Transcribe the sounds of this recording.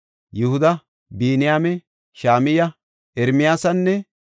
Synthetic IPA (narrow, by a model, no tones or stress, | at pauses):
jʊhʊd̪ɐ | biːnɪjaːmɛ | ʃaːmɪjɐ | ʔɛɾmɪjaːsɐnːɛ